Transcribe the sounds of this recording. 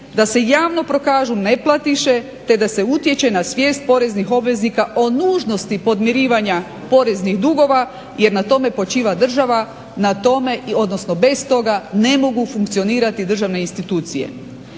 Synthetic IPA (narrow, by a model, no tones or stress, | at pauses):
d̪ase̞jaːʋno̞pɾo̞kaːʒune̞plˠat̪iʃe̞ | t̪e̞d̪ase̞ut̪je̞t͡ɕe̞nasʋje̞ːst̪̚po̞ɾe̞znixo̞bʋe̞znikaʔo̞nuːʒno̞st̪ipo̞d̪mjeɾiːʋaɲa | po̞ɾe̞znixd̪uɡo̞ʋa | je̞ɾnat̪o̞me̞po̞t͡ʃiːʋad̪r̩ʒaʋa | nat̪o̞me̞o̞d̪no̞sno̞be̞st̪o̞ɡane̞mo̞ɡufuŋkt̪sio̞niːɾat̪id̪r̩ʒaʋne̞inst̪it̪uːt̪sije̞̰